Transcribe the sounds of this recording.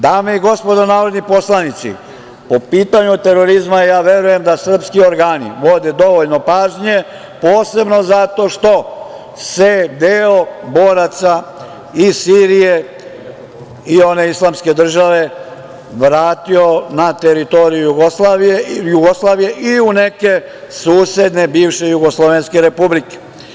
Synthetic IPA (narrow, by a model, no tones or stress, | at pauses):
d̪aːmeiɡo̞spo̞d̪onaːɾod̪nipo̞slˠanit̪sḭ | po̞piːt̪aɲut̪e̞ɾo̞ɾizmajaːʋje̞ɾuje̞md̪asr̩pskio̞ɾɡaːnḭʋo̞d̪e̞d̪o̞ʋoʎno̞paːʒɲe̞ | po̞ːse̞bno̞zat̪o̞ʃt̪o̞ | sed̪eːobo̞ːɾat̪sa | isiːɾije̞ | io̞ne̞islˠamske̞d̪r̩ʒaʋe̞ | ʋɾaːt̪io̞nat̪eɾit̪o̞ːɾijujuɡoslaːʋijejuɡoslˠaːʋije̞ʔiune̞ke̞ | suːsje̞d̪ne̞biːʋʃe̞juɡoslˠoʋenske̞ɾe̞publike̥